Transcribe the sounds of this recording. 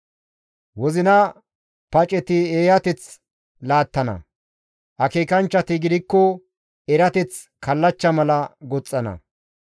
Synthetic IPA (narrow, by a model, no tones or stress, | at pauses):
wɔzɪnɐ | pɐt͡ʃʼɛt̪ɪeːjɐt̪ɛt͡s | laːt̪ːɐnɐ̰ | ʔɐkeːkɐnt͡ʃːɐt̪ɪɡɪd̪ɪkːɔ | ɛɾɐt̪ɛt͡s | kʰɐlːɐt͡ʃːɐmɐlɐɡɔt͡sʼːɐnɐ̰